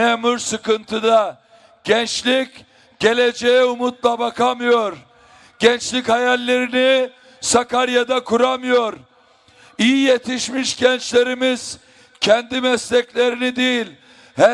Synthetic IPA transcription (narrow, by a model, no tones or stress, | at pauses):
emuɾsɯkɯnt̪ʰɯd̪a | ɟ̥ɛnt͡ʃlʲic | ɟ̥e̞lʲe̞d͡ʒejɛumut̪̚lˠabakʰamɯjo̞ɾ | ɟ̥ɛnt͡ʃlʲichajalʲːe̞ɾini | sakaɾjad̪akʰuɾamɯjo̞ɾ | ijijet̪ʰiʃmiʃɟɛnt͡ʃlʲe̞ɾimiz̥ | cʰɛnd̪imɛslʲɛclʲe̞ɾinid̪ijilʲ | hɛ